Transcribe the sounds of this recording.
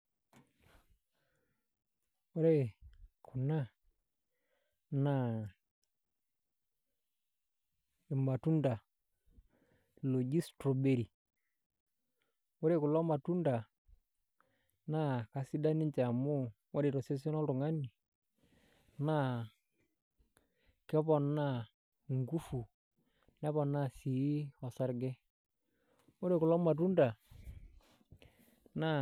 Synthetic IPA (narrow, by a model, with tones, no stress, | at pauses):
o˦ɾe˦˨kʰu˨na˦ | na˦˨ | e˨ma˨tu˦nda˨ | lo˨d͡ʒi˦stɾo˨be˨ɾi˨ | o˦ɾe˦˨kʊ˨lɔ˦ma˨tu˦nda˨ | na˦ka˨si˦da˦nɪ˦ɲt͡ʃa˨mʊ˦ | ɔ˦ɾe˨ɾɔ˨se˦s̬ɛ˦nɔ˦ltʊ˨ŋa˦ni˨ | na˦ | kɛ˦pɔ˨na˦˨ | ŋɡu˦fu˨ | nɛ˦pɔ˨na˦˨si˨˦ɔ˨sa˦ɾɡɛ˦ | o˦ɾe˨kʊ˨lɔ˦ma˨t̬u˦nda˨ | na˦˨